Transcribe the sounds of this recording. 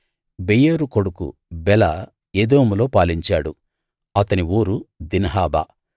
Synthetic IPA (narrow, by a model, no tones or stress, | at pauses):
bejeːɾuko̞ɽukṵbɛlɐ | eːd̪oːmulo̞ːpaːliɲt͡ʃaːɽṵ | ɐt̪ɐniuːɾud̪inɐɦaːba̰ː